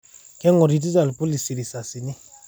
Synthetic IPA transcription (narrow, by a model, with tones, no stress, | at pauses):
kɛ˦ŋɔ˨ɾi˨ti˦za˨lpu˦li˨si˨ɾi˨sa˨si˨ni˦